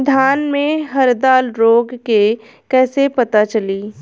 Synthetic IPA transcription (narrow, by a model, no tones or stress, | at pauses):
d̪ʱaːnmẽɦɐɾd̪aːlɾoːɡke | kɛːsepɐt̪at͡ʃɐliː